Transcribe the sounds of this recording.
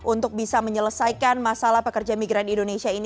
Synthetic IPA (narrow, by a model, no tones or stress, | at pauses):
ʔunt̪ʊk̚bisaməɲələsajkanmasalahpəkərd͡ʒamiɡɾanindonesiaini